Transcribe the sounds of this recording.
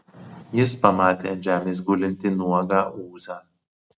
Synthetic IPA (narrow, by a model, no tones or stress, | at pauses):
jɪspɐmɑːt̪ʲeːɐnʲd͡ʒʲæːmʲeːs̬ɡʊlʲɪnʲt̪ʲɪnuɔɡɑːʔuːzɑː